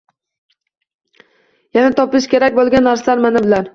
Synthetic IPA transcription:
janat̪ʰɒpɪʃkʲe̞ɾakʲbolˠɡʲanːaɾslaɾmanɪbɪlan

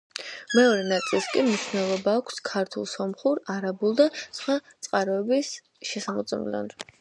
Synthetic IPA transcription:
mɛɔɾɛnat̪sʼilˠskʼimniʃvnɛlˠɔbaːkʷʰskʰaɾt̪ʰulˠsɔmχuɾaɾabulˠd̪asχwat̪sʼqʼaɾɔɛbis | ʃɛsamɔt̪sʼɛmlɔ̰n

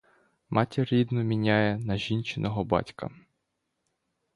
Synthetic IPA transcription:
mʔɑtʲɐɾʲid̪nʊmʲinʲajɛnɐʒʲint͡ʃɪnʔɔɦɔbɑ̰tʲkɐ̰

